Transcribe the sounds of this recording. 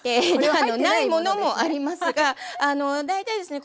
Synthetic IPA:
eanonaimo̞no̞mo̞ʔaɾʲimasɨɡaːno̞d̪ait̪aid̪e̞sɨne

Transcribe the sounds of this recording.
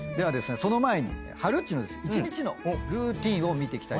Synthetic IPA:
d̪e̞β̞ad̪e̞sɨne̞so̞no̞mae̞ɲ̟ḭḛhaɾɯ̟t̪ːinod̪esɨit͡ɕiɲ̟it͡ɕino̞̰hoɾɯ̟ːt̪ʲĩɰ̃o̞mʲit̪e̞kʲi̥a

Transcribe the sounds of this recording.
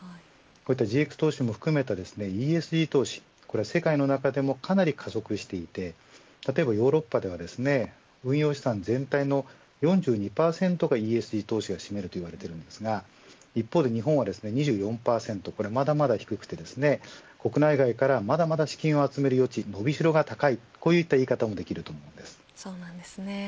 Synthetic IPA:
ko̞ːit̪ːad͡ʑiekɯ̟̥t̪o̞ːɕimo̞ɸɯ̟̥kɯ̟me̞t̪ad̪e̞sɨne̞iːe̞sɨʑiːt̪o̞ːɕi̥ | ko̞ɾe̞ase̞kaino̞nakad̪e̞mo̞kʰanaɾʲikʰazo̞kɯ̟ɕi̥t̪e̞it̪e̞ | t̪at̪o̞e̞bajo̞ːɾo̞pːad̪e̞β̞ad̪e̞sɨne̞ | ɯ̟̃ɰ̃jo̞ːɕi̥sãnzẽ̞nt̪aino̞ | jõ̞ɲ̟d͡ʑɨːɲ̟ipaːsẽ̞nt̪o̞ɡaiːe̞sɨʑiːt̪o̞ːɕiɡaɕime̞ɾɯ̟t̪o̞iβaɾe̞t̪e̞ɾɯ̟̃nd̪e̞sɨɡa | ipːoːd̪e̞ɲ̟iɦõ̞ɰ̃βad̪e̞sɨne̞ɲ̟iʑɨːjõ̞mpaːsẽ̞nt̪o̞ko̞ɾe̞mad̪amad̪açi̥kɯ̟kɯ̟̥t̪e̞d̪e̞sɨne̞ko̞kɯ̟naiɡaikaɾamad̪amad̪aɕi̥kʲĩɰ̃o̞at͡sɨme̞ɾɯjo̞t͡ɕino̞bʲiɕiɾo̞ɡat̪akaiko̞ːjɯit̪ːaiːkat̪amod̪e̞kʲiɾɯ̟t̪o̞ːmo̞ɯ̟̃nd̪e̞sɨ̥soːnãnd̪esɨne

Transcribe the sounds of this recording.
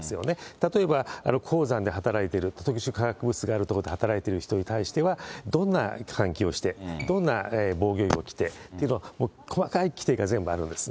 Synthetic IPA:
sɨjo̞ne̞t̪at̪oe̞baa̰no̞kʰo̞ːzãnd̪e̞ɦat̪aɾait̪eɾɯ̟t̪ot̪okɯ̟ɕɨkaɡakɯ̟bɯ̟t͡sɨɡaːɾɯt̪okod̪eat̪aɾait̪e̞ɾɯ̟çi̥t̪o̞ɲ̟it̪aiɕi̥t̪e̞βad̪õ̞nːa̰kʰãŋkʲio̞ɕi̥t̪e̞d̪õ̞nːaebo̞ːɡʲo̞ːḭo̞kʲi̥t̪e̞t̪ːeiɯ̟noamoːkʰo̞makaikʲi̥t̪e̞ːɡazẽ̞mbɯ̟aɾɯ̟nd̪e̞sɨ̥

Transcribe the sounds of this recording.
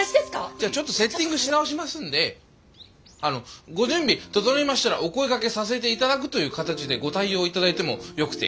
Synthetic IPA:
ɕid̪eskad͡ʑaːt͡ɕo̞t̪ːo̞se̞t̪ʲːĩŋɡɯ̟ɕinaoɕ̬imasɨ̃nd̪e̞ | ano̞ɡo̞ʑɨ̃mbʲit̪ot̪onimaɕi̥t̪aɾa̰ʔo̞ko̞ikake̞sas̬e̞t̪̬e̞it̪ad̪akɯ̟t̪o̞jɯ̟ːkat̪at͡ɕid̪e̞ɡo̞t̪aio̞ːit̪ad̪ait̪e̞mo̞̰jo̞kɯ̟̥t̪e̞̰

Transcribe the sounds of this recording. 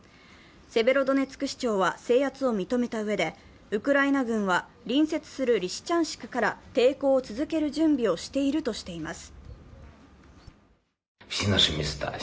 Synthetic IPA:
se̞be̞ɾo̞d̪o̞ne̞t͡sɨ̥kɯ̟ɕi̥t͡ɕo̞ːβase̞ːat͡sɨo̞mʲit̪o̞me̞t̪aɯ̟βe̞d̪e̞ | ɯ̟kɯ̟ɾainaɡɯ̟̃ɰ̃βa | ɾʲĩɰ̃se̞t͡sɨ̥sɨɾɯ̟ɾʲiɕi̥t͡ɕãɰ̃ɕi̥kḁkaɾat̪e̞ːko̞ːt͡sɨzɨke̞ɾɯ̟ʑɨ̃mbʲio̞ɕi̥t̪e̞iɾɯ̟t̪o̞ɕi̥t̪e̞imasɨ̥ | ɕinaɕɨmʲisɨ̥t̪a̰

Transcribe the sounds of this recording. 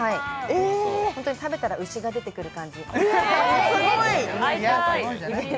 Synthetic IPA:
haiehõnt̪oɲ̟it̪abe̞t̪aɾaɯ̟ɕiɡad̪e̞t̪e̞kɯ̟ɾɯ̟kãɲ̟d͡ʑi | oai

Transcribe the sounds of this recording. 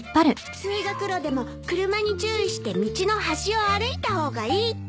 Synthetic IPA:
pːaɾɯ̟ | sɨiːɡakɯ̟ɾo̞d̪e̞mo̞ | kɯ̟ɾɯ̟maɲ̟it͡ɕɨːiɕi̥t̪e̞mʲit͡ɕino̞ɦaɕio̞aɾɯ̟it̪aho̞ːɡaiː

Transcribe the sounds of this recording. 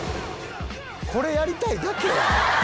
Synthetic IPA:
kʰo̞ɾe̞jaɾʲit̪aid̪ake

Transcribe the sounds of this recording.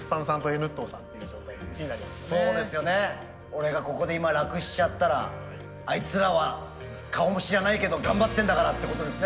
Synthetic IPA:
ssãsãnt̪o̞enɯ̟t̪ːoːsãnt̪ːeiɯd͡ʑo̞ːt̪aiaɾʲiaso̞ːd̪e̞sɨjo̞ne̞ | o̞ɾe̞ɡako̞ko̞d̪e̞imaɾakɯ̟ɕi̥t͡ɕat̪ːaɾa̰ | ait͡sɨɾaβa | kʰaomoɕiɾanaike̞d̪o̞ɡãmbat̪ːẽnd̪akaɾat̪ːe̞ko̞t̪o̞d̪e̞sɨne

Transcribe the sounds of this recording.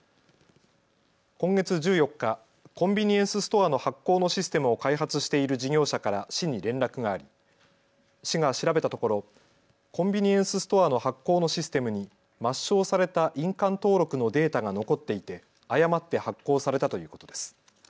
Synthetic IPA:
kõ̞ŋɡe̞t͡sɨʑɨːjo̞kːa | kõ̞mbʲiɲ̟iẽsɨsɨ̥t̪o̞ano̞hakːo̞ːno̞ɕisɨ̥t̪e̞mɯ̟o̞kaiɦat͡sɨɕi̥t̪e̞iɾɯ̟d͡ʑiɡʲo̞ːɕakaɾaɕiɲ̟iɾẽ̞nɾakɯ̟ɡaːɾʲi | ɕiɡaɕiɾabe̞t̪at̪oko̞ɾo̞ | kõ̞mbʲiɲ̟iẽ̞ɰ̃sɨsɨ̥t̪o̞ano̞hakːo̞ːno̞ɕisɨ̥t̪e̞mɯ̟ɲ̟i | maɕːo̞ːsaɾe̞t̪aʔĩŋkãnt̪o̞ːɾo̞kɯ̟no̞d̪e̞ːt̪aɡano̞ko̞t̪ːe̞it̪e̞ | ajamat̪ːe̞hakːo̞ːsaɾe̞t̪at̪o̞jɯ̟ːko̞t̪o̞d̪e̞sɨ̥

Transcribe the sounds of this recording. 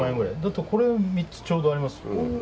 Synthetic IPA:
ãeŋɡɯɾa̰jd̪at̪ːekʰo̞ɾe̞amʲit͡sɨ̥t͡ɕo̞ːd̪o̞aɾʲimasɨ̥

